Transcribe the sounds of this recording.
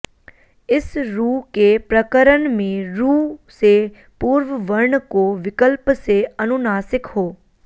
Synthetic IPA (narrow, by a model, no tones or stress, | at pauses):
ɪsɾuːkepɾəkəɾənmẽɾuːse | puɾʋəʋəɾɳəkoʋɪkəlpseɐnʊnaːsɪkɦoː